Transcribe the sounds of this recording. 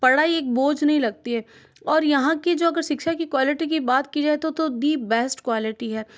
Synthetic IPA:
pɐɽaːieːk̚boːd͡ʒnɐɦĩlɐɡ̚t̪iɦɛː | ɔːɾjɐɦãked͡ʒoːɐɡəɾʃɪkʃakikwaːlɪʈik̬ibaːt̪kid͡ʒaːet̪ot̪od̪iːbɛːsʈkwaːlɪʈiɦɛː

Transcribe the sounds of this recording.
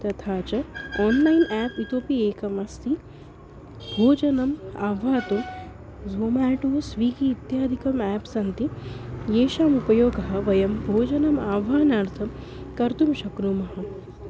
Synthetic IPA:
t̪ɐt̪ʰaːt͡ʃɐɔːnlɐjnæːpit̪oːpieːkɐmɐst̪i | bʱoːd͡ʒɐnɐmaːʋaːt̪um | zoːmaːʈoːsʋiːkiːt̪jaːd̪ʱikɐmɛːpsɐnt̪ijeːʃaːmupɐjoːɡɐɦɐ̆ʋɐjɐmbʱoːd͡ʒɐnɐmaːʋʱaːnaːɾt̪ʰɐm | kɐɾt̪umʃɐkɾumɐɦɐ̆

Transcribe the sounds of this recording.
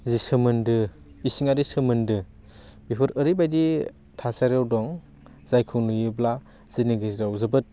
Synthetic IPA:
zisɯmɯndɯ | isiŋaɾisɯmɯndɯ | bipʰɯɾɯɾibajdi | tʰasaɾjawdɔŋ | z̥ajkʰuŋnujɯbla | z̥iniɡɯzɾawzɯbɯt̚

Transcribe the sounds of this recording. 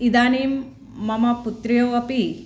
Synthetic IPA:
id̪aːniːmː | ɐmɐput̪ɾɐjoːɐpi

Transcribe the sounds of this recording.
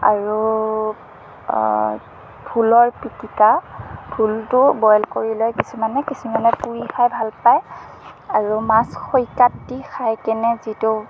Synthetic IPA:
a̰ɹu | bʱulɔɹpitikab̥ʱultʊbɔjlkoɹilɔjkisumanɛkisumanɛpuɹixajbʱalpaj | aɹumasxojkatːixajkɛnɛzitu

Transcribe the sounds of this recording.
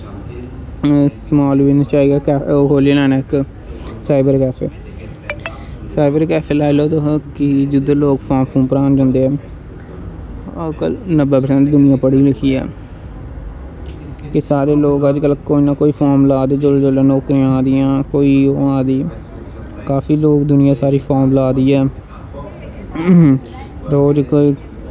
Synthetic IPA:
smaːlʋiːnt͡ʃaːiːɡaːkɛoːkoːlieːlɛːnaːɪk | saːɪbəɾkɛːpʰeː | saːɪbəɾkɛːpʰeːlaːɪloːt̪okɪd͡ʒɪd̪oːloːɡpʰaːmpʰũːpəɾaːnd͡ʒãːnd̪eːɛː | kə̰lnəbaːpəsə̃nd̪d̪ʊnɪjãːpəɽiːɾəkʰiːɛ̰ː | kɪsaːɾeːloːɡəd͡ʒkəlkoːiːnaːkoːiːpʰɔːɾmlaːd̪eːd͡ʒolːd͡ʒoːlẽːnɔːkɾiãːaːd̪iːãːkoːiːoːãːd̪iː | kaːfiːloːɡd̪ʊnɪjãːsaːɾiːpʰɔːɾmlaːd̪iːɛː | ɾoːd͡ʒkoːiː

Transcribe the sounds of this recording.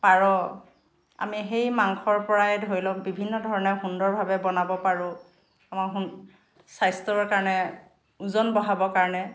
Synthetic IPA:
paɹɔ | a̰miɦejmaŋkʰɔɹpɔɹaɛdʱoɹilɔ̃bibʱinːɔdʱɔɹɔnɛɹɦundɔɹbʱabɛbɔnabɔpaɹʊ̃ | amaɦun | sajstɔɔɹkaɹɔnɛ | uzɔnbɔɦabɔkaɹɔnɛ

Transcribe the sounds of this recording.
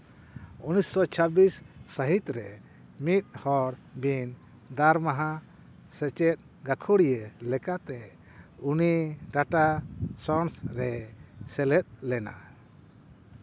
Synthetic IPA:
unisːɔt͡ʃʰəbisːəɦit̪ɾɛ | mit̪̚ˀhɔɽbin | d̪aɾmaɦã | sɛt͡ʃɛt̪̚ | ɡakʰuɽijəlɛkat̪ɛ | uniɖaʈasɔnsɾɛsɛlɛt̪̚lɛna̰

